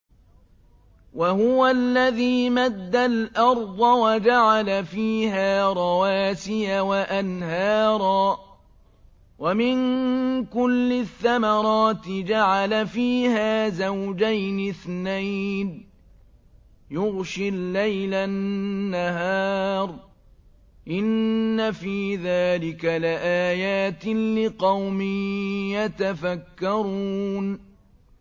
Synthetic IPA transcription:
wahʊwalːaðiːmad̪ːalʔɑɾˤd̪ˤɑwad͡ʒaʕalafiːhaːɾˤɑwaːsɪjawaʔanhɑːɾˤɑː | wamɪnkʊlːɪθːamɑɾˤɑːt̪ɪd͡ʒaʕalafiːhaːzawd͡ʒajnɪθnajn | jʊɣʃɪlːajlanːahaːɾˤ | ʔɪnːafiːðaːlɪkalɪʔaːjaːt̪ɪlɪqɑwmɪjat̪afakːɑɾˤuːn

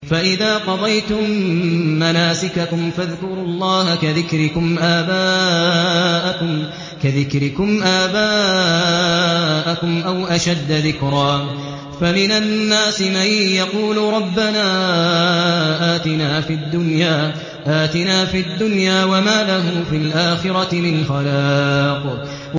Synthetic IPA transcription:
faʔɪðaːqɑd̪ˤɑjt̪ʊmː | anaːsɪkakʊmfaðkʊɾʊlˤːɑːhakaðɪkɾɪkʊmʔaːbaː | ʔakʊm | kaðɪkɾɪkʊmʔaːbaː | ʔakʊmʔawʔaʃad̪ːaðɪkɾaː | famɪnanːaːsɪmajjɑquːlʊɾˤɑbːanaː | ʔaːt̪ɪnaːfid̪ːʊnjaː | ʔaːt̪ɪnaːfid̪ːʊnjaːwamaːlaɦʊːfilʔaːxɪɾˤɑt̪ɪmɪnxalaːq

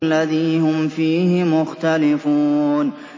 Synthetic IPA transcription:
lːaðiːhʊmfiːhɪmʊxt̪alɪfuːn

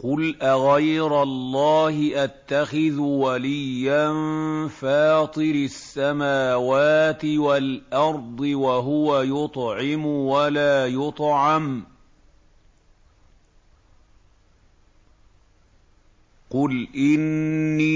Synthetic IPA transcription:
qʊlʔaɣajɾalˤːɑːhɪʔat̪ːaxɪðʊwalɪjːanfɑːt̪ˤɨɾɪasːamaːwaːt̪ɪwalʔɑɾˤd̪ˤɨwaɦʊwajʊt̪ˤʕɪmʊwalaːjʊt̪ˤʕɑm | qʊlʔɪnːiː

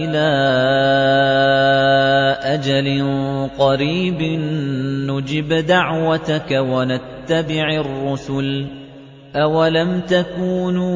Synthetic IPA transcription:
ʔɪlaː | ʔad͡ʒalɪqɑɾiːbɪnːʊd͡ʒɪbd̪aʕwat̪akawanat̪ːabɪʕɪrːʊsʊl | ʔawalamt̪akuːn

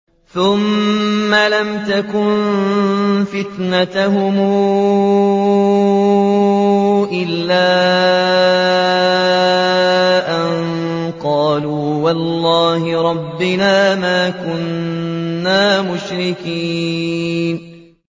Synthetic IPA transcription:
θʊmː | alamt̪akʊn | fɪt̪nat̪aɦhʊmu | ʔɪlːaː | ʔan | qɑːluːwɑlːɑːhɪɾˤɑbːɪnaːmaːkʊnː | aːmʊʃɾɪkiː | n

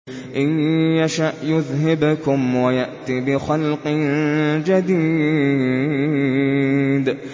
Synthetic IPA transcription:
ʔɪnjaʃaʔjʊðhɪbkʊmwajaʔt̪ibɪxalqɪnd͡ʒad̪iː | d̪

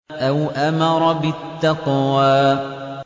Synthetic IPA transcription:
ʔawʔamɑɾˤbɪt̪ːɑqwaː

